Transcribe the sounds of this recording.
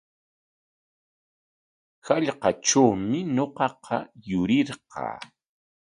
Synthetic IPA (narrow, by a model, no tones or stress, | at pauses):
xaʎqɑʈ͡ʂawmɪɲoqɑqʰɑjʊɾɪɾqɑ̰ː